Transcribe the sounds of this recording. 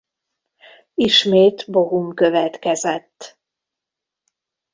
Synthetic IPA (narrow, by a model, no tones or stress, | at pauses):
iʃmeːt̪bo̞ɦuŋkø̞vɛt̪kɛzɛt̪ː